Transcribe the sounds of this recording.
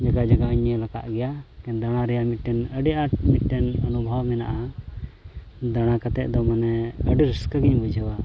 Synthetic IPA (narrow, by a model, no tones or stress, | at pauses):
d͡ʒaɡad͡ʒaɡaɲəlaka̰ʔɡɛjakɛnd̪aɽ̃aɾɛjamit̪̚ʈɛnəɖɛʔamit̪̚ʈɛnənubʱawmɛna̰ʔa | d̪aɽ̃akat̪ɛʔ̚ˀd̪ɔmanɛəɖiɾəskəɡiɲbud͡ʒʱəwa